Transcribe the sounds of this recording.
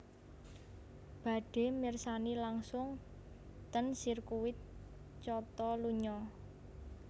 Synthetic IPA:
b̥a̤ɖ̥e̤mɪrsanilaŋsʊŋ | t̪ənsirkuwɪt̪̚ | t͡ʃɔt̪ɔluɲɔ

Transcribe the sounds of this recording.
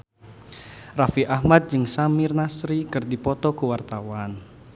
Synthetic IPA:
rafiʔahmat̪̚d͡ʒɨŋsamirnasɾikɨrdipɔt̪ɔkuwart̪awan

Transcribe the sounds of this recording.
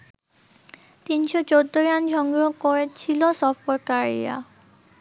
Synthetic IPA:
t̪inʃot͡ɕod̪ːoɾand͡ʑʱɔŋɡokoɾet͡ɕʰilosɔfʈeɾkaɾḭa̰

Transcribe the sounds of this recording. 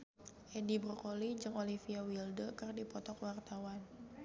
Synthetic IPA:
ʔedibɾɔkolid͡ʒɨŋolifiawildəkɨrdipɔt̪ɔkwart̪awan

